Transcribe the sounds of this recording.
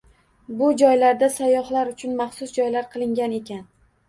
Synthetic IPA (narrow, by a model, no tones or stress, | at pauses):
bʊd͡ʒɒjlaɾd̪asajːɒhlaɾʊt͡ʃʰʊnmɑχsʊsd͡ʒɒjlaɾqʰɨlˠɪŋɡʲane̞kʲʰan